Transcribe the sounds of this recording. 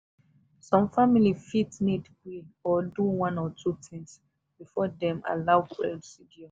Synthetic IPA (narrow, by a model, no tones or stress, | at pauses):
sɔ̃mfamilifitnidkilɔduwɔ̃nɔtʰutʰĩŋs | b̥ifɔdɛ̃ma̰laʊkɹɛsiɡiɔ